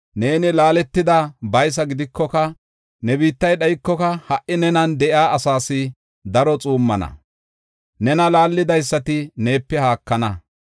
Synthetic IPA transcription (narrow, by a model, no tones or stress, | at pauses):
ne̞ːnɪlaːlɛt̪ːɪd̪abɐjs̬ɐɡɪd̪ɪkːɔkɐ | nɛbiːt̪ːɐjɗɐjkːɔkɐhɐʔɪnɛnɐnd̪ɛʔɪaːʔɐsaːsɪ | d̪ɐɾɔt͡sʼuːmːɐnɐ̰ | nɛnɐlaːlːɪd̪ɐjsːɐt̪ɪne̞ːpːɛhaːkːɐnɐ